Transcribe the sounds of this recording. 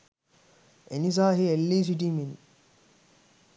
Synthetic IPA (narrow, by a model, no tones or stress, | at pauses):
enis̬aːɦielːiːs̬iʈimin